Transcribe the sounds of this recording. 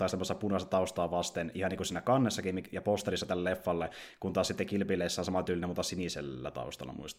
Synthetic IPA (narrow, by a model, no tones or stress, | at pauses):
t̪ɑist̪emːosːɑpunɑst̪ɑt̪ɑust̪ɑːʋɑst̪enihɑniːkusiːnækɑnːesːɑkimijɑpost̪ɑlisːɑt̪ælːelefːɑlːe | kunt̪ɑːsit̪ːekilpileisːæhnsɑmɑt̪yːlinemuːt̪ːˑɑsinisḛlːæ̰t̪ɑ̰ust̪ɑ̰lːˑɑ̰mṵist̪